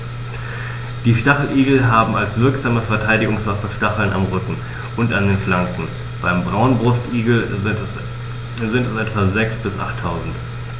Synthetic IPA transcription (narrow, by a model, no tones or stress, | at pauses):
d̥iːʃtaχl̩ʔiːɡl̩ɦaːbm̩alsv̥ɪɐkz̥aːməfɛɐtʰaɪdɪɡʊŋsv̥afəʃtaχl̩nʔa̰mʁʏkŋ̩ | ʔʊntandeːnflaŋkŋ̩ | b̥aɪmbʁaʊnbʁʊstiːɡl̩ | zɪntɛsʔɛtv̥azɛksb̥ɪsʔa̰χtʰːaʊzn̩t